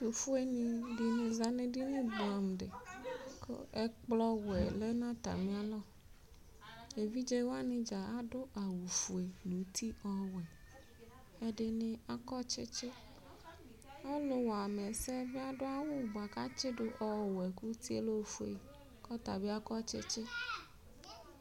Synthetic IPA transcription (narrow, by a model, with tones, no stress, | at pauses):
to˨fu˦e˦nĩ˦di˦nũ˦za˦nẽ˦ɖi˦nũ˦bo˨a˨m˨ɖe˨kʰo̰˦ʔe˦k͡plɔ˦wɛ˨le˦nã˦t̪a̰˨mĩ˦a˨lɔ˦˨ | e˨vi˦d͡ʒe˦wo˦a˦nɪ̃˦d͡ʒa˨a˦ɖo˦ʔa˨wu˨fu˨e˨lu˨˦t̪ʰi˦ʔɔ˦wɛ˨ | e˦ɖe˦nɪ̃˦a˦kɔ˦t͡ʃe˦t͡ʃe˦ | o˦lo˦wɔ˨a˨me˨sɛ˦ve˦a˦ɖo˦a˦wu˦˨ɡ͡ba˨ka˦t͡ʃe˦ɖo˦ʔɔ˦wɛ˨ku˦t̪i˦e˦lo˦˨fu˦ḛ˨ | kɔ˦t̪a˨be˦a˦kɔ˦t͡ʃḛ˦t͡ʃɪ˦